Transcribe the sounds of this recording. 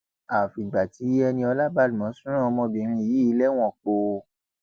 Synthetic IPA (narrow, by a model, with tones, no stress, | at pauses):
a˨fi˨ɡ͡ba˨ti˨˦ɛ˧nĩ˧ɔ˧la˦ba˦˨lu˨mã˨˦sũ˦ɾ̃ã˦˨ɔ˧mɔ̃˧bĩ˨˧ɾ̃ĩ˧˨ji˨˦i˧˦lɛ˦w̃ɔ̃˦˨k͡po˧